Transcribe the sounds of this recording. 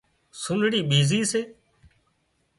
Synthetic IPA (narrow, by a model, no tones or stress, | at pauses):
sʊnɽiːɓiːziːseː